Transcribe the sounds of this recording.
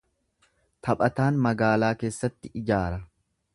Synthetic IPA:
t̪ʰɐpʼɐt̪aːnmɐɡaːlaːke̞ːsːɐt̪ːɪʔɪd͡ʒaːɾɐ

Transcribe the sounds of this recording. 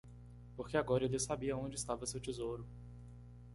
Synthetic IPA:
poɾkeaɡɔɾɐelɪsabiɐõd͡ʒɪist̪avɐsewt͡ʃizowɾʊ

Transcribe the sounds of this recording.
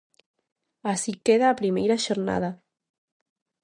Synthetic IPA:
asikeðaːpɾimejɾaʃoɾna̰ð̞a

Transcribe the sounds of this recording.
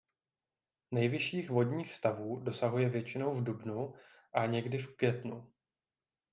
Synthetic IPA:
nɛjvɪʃiːxvo̞dɲiːxst̪avuːdo̞saɦujɛvjɛt͡ʃɪno̞wvdubnu | ʔaɲɛɡdɪfkjɛt̪nu

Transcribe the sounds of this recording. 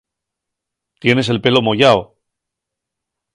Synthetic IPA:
t̪je̞ne̞se̞lpe̞lomo̞ʝao

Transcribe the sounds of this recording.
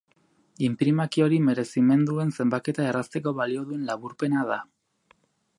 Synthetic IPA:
impɾimakio̞ɾime̞ɾe̞sime̞nd̪ue̞nse̞mbake̞t̪ae̞rast̪e̞ko̞βalio̞ðue̞nlaβuɾpe̞nað̞a

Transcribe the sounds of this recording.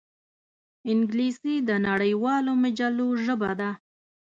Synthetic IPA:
ɪŋɡlisid̪ənaɽəjwɑlomad͡ʒaloʒəbad̪a

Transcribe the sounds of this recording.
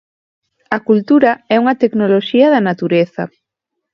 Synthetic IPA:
ɐkult̪uɾɐɛuŋɐt̪eknoloʃiɐðɐnat̪uɾeθɐ̰

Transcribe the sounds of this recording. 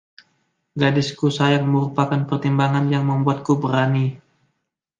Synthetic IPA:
ɡadɪskusajaŋməɾupakanpərt̪imbaŋanjaŋməmbuat̪̚kubəɾani

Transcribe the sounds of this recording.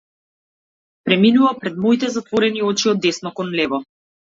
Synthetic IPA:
pɾɛminuvapɾɛd̪mɔit̪ɛzat̪vɔɾɛniɔt͡ʃiɔd̪ːɛsnɔkɔnlɛvɔ

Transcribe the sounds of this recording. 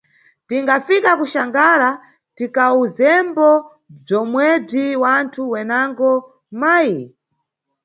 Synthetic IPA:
tiŋɡafikakuʃaŋɡaɾa | tikauzɛmbɔ | b͡ʐɔmwɛb͡ʐiwantʰuwɛnaŋɡɔ | maːji

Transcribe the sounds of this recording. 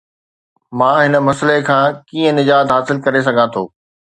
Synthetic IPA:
mãːɦɪnə̆mɐslekʰãːkiːə̃nɪd͡ʑaːd̪ɦaːsɪlkɐɾes̬ɐɡʱãt̪ʰoː

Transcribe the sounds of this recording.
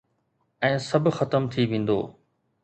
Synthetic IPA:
ɛ̃ːsɐbʱxɐt̪əmt̪ʰiʋẽːn̆d̪o̰ː

